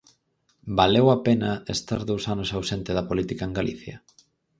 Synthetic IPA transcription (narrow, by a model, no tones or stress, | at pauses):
balewapenɐest̪aɾðowsanosawsent̪ɪðɐpolit̪ikaeŋɡalḭθjɐ̰